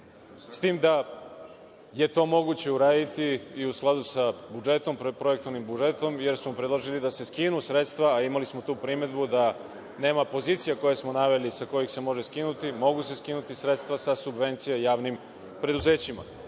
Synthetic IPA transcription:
st̪iːmd̪a | je̞t̪o̞ːmo̞ɡut͡ɕe̞uɾaːd̪it̪iːusklˠad̪usabud͡ʒe̞t̪o̞mppɾo̞je̞k̚t̪oʋnimbud͡ʒe̞t̪o̞mje̞ɾsmopɾed̪loʒilid̪ase̞skinusɾe̞t̪st̪ʋaːimalismo̞t̪uːpɾimed̪bud̪a | ne̞ːmapo̞ziːt̪sijako̞jesmo̞naʋe̞lisako̞jixse̞mo̞ʒeskinut̪imo̞ɡuse̞skinut̪isɾe̞t̪st̪ʋasasubʋe̞nt̪sijejaːʋnim | pɾe̞d̪uze̞ːt͡ɕima̰

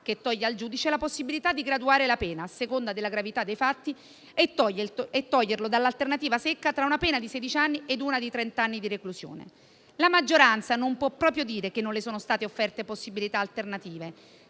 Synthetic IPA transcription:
k̟et̪ːɔʎːeald͡ʒuːd̪it͡ʃelaposːibilit̪ad̪ːiɡɾad̪uaːɾelapɛːnaːsekond̪ad̪elːaɡɾavit̪ad̪ːejfat̪ːi | et̪ːɔʎːeet̪ːɔʎːerlod̪alːalt̪ernat̪iːvasekːat̪ɾaunapɛːnad̪isɛd̪it͡ʃanːied̪uːnad̪it̪ɾɛnt̪anːid̪irekluzjo̰ːnḛ | lamad͡ʒːoɾant̪sanompwɔpːɾɔːpɾjod̪iːɾekenːonlesoːnost̪aːt̪eofːɛrt̪eposːibilit̪aːlt̪ernat̪iːve

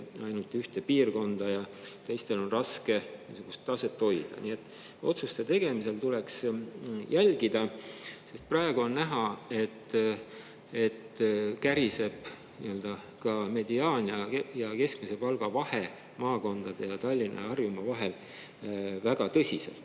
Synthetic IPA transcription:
ɑjnult̪ːˑyht̪epiːrko̞nd̪̥ɑjɑt̪e̞jst̪e̞lo̞nrɑske̞niːsuɡ̥ust̪ːˑɑse̞t̪ːo̞jd̪̥ɑ̰nie̞t̪ːˑ | o̞t̪sust̪e̞t̪e̞ɡ̥e̞mise̞lt̪uleksjælɡ̥id̪̥ɑse̞st̪̚prɑeɡ̥uo̞nnæɦɑe̞t̪ː | et̪ːkæɾise̞b̥ | nḭø̞ld̪̥ɑ | kɑme̞d̪̥iɑːnʲiɑjɑke̞skmise̞pɑlɡ̥ɑvɑhe̞ | mɑːko̞nd̪̥ɑd̪̥e̞jɑt̪ɑlʲːinʔɑ̰ɑrjumɑvɑɦe̞l | væɡ̥ɑt̪ɤsʲisḛlt̪ːˑ

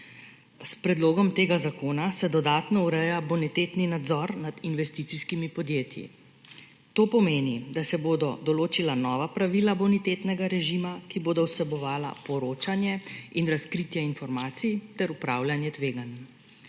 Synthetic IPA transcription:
spɾɛd̪loːɡɔmt̪eːɡazakoːnasɛd̪ɔd̪aːt̪nɔuɾɛjabɔnɛt̪eːt̪ninad̪zɔɾnad̪inʋɛst̪it̪siskimipɔd̪jeːt̪jḭ | t̪oːpɔmeːnid̪asɛboːd̪ɔd̪ɔloːt͡ʃilanɔːʋapɾaʋilabɔnit̪eːt̪nɛɡaɾɛʒimakiboːd̪ɔwsɛbɔʋaːla̰pɔɾoːt͡ʃanjɛinɾaskɾit̪jɛinfɔɾmaːt̪sit̪ɛɾupɾaːwljanjɛt̪ʋeːɡan

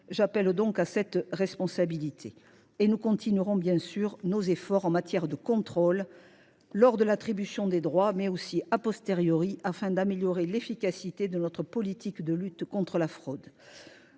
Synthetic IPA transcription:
ʒapɛld̪ɔ̃kasɛt̪ʁɛspɔ̃sabilit̪ʰe | enukɔ̃t̪ʰinyʁɔ̃bjɛ̃syʁnozefɔʁɑ̃mat̪jɛʁd̪əkɔ̃t̪χɔlː | ɔʁd̪əlat̪χibysjɔ̃d̪ed̪ʁwamɛosiʔapɔst̪eʁjɔʁiʔafɛ̃d̪ameljɔʁelefikasit̪ed̪ənɔt̪χəpɔlit̪ʰikd̪əlyt̪kɔ̃t̪χəlafχɔd̪

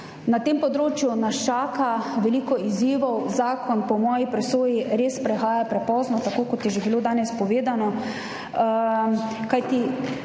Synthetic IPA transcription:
nat̪empɔd̪ɾoːt͡ʃjunast͡ʃaːkaʋɛliːkɔiziːʋɔwzaːkɔnpɔmɔːjipɾɛsoːjiɾeːspɾɛxaːjapɾɛpɔːznɔt̪akoːkɔt̪jɛʒebiloːd̪aːnɛspɔʋeːd̪anɔ | kajt̪i

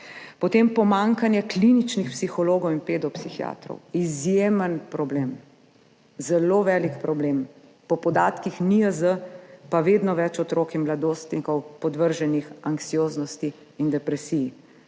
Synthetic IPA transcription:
pɔt̪eːmpɔmaŋkanjɛklinit͡ʃnixpsixɔloːɡɔwinpeːd̪ɔpsixija̰t̪ɾɔ̰wizjemənpɾɔbleːm | zɛloːʋɛːlikpɾɔbleːm | pɔpɔd̪aːt̪kixniəzəpaʋeːd̪nɔʋɛt͡ʃɔt̪ɾoːkimlad̪oːst̪nikɔwpɔd̪ʋəɾʒɛnixaŋksijoːznɔst̪iː | nd̪ɛpɾɛsiji

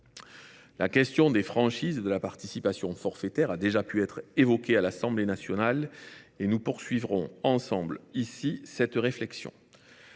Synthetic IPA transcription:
lakʲɛst̪jɔ̃d̪efχɑ̃ʃizd̪əlapaʁt̪isipasjɔ̃fɔʁfet̪ɛʁad̪eʒapyɛt̪χevɔkʲealasɑ̃blenasjɔnalenupuʁsɥivʁɔ̃ɑ̃sɑ̃blisisɛt̪ʁeflɛksjɔ̰̃

